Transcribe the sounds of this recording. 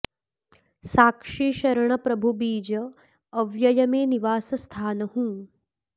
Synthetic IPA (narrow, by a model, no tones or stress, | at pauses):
saːkʂiːʃɐɾɐɳ̃ɐpɾɐbʱubiːd͡ʒɐː | ʋjɐjɐmeːniʋaːsɐst̪ʰaːnɐhũ